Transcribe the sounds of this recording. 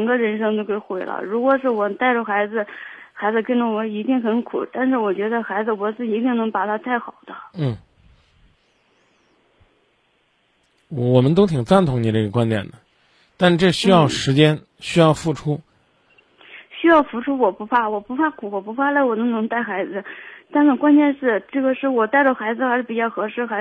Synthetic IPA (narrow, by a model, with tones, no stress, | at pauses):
ə˨˩ŋɡə˧ɻə˧˥nʂ̬ɤ˥ŋt̪jo˥ʊke˧˥˩ɪxwe˧˥ɪlə̰˧ɻu˧˥kwɔ˨˩ʂ̬ɻ̩˥˩wɔ˨˩t̪a˥˧˩ɪʈ͡ʂə˩xa˧˥ɪd͡zɹ̩˧xa˧˥ɪd͡zɹ̩˧kə˥nʈ͡ʂə˧˩wɔ˧˥i˧˥t̪i˥˩ŋxə˧˥nkʰṵ˨˩t̪a˥˧nʂ̬ɻ̩˥˩wɔ˨˩t͡ɕɥɛ˧˥d̪ə˧xa˧˥ɪd͡zɹ̩˧wɔ˧˥t͡sɹ̩˥˩i˧˥t̪i˥˩ŋnɤ˧˥ŋpa˨˩t̪ʰa˥t̪a˥˩ɪxɑ˨˩ʊd̪ə˦n̩˥˩ | wɔ˨˩mə˦nt̪o˥ʊt̪ʰi˨˩ŋt͡sa˥˧nt̪ʰʊ˧˥ŋni˨˥ʈ͡ʂɤ˥˩ɡə˩kwa˥nt̪jɛ̰˨˩nd̪ə˩ | t̪a˥˧nʂ̩˥˧ʈ͡ʂɤ˥˩ɕy˥jɑ˥˩ʊʂɻ̩˧˥t͡ɕjɛ˥n | ɕy˥jɑ˥˧ʊfu˥˩ʈ͡ʂʰu˥ | ɕy˥jɑ˥˩ʊfu˧˥ʈ͡ʂʰu˥wɔ˨˩pu˧˥pʰa˥˩wɔ˨˩pu˧˥pʰa˥kʰu˨˧˩wɔ˨˩pu˧˥pʰa˥la˧˥ɪwɔ˨˩nɤ˧˥ŋnɤ˧˥ŋt̪a˥˩ɪxa˧˥ɪd͡zɹ̩˧t̪a˥˩nnə˨˩kwa˥nt̪jɛ˥˧nʂɻ̩˥˩ʈ͡ʂɤ˥˩ɡə˩ʂɻ̩˥˩wɔ˨˩t̪a˥˧ɪʈ͡ʂə˥˩xa˧˥ɪd͡zɹ̩˨˧xa˧˥ʂɻ̩˥˩pi˨˩t͡ɕjɑ˥˩ʊxɤ˧˥ʂɻ̩˥˩xa˧˥